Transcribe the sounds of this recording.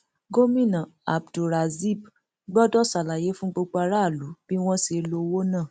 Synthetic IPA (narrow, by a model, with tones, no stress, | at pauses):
ɡo˦mĩ˦˨nã˨a˨bdo˨ɾa˨zi˦˨b | ɡ͡bɔ˦dɔ˦˨sa˨la˨je˨˦fũ˦ɡ͡bo˧ɡ͡ba˧ɾa˦˨lu˨˦b̥i˦w̃ɔ̃˦se˧˦lo˧wo˦nãː˦˨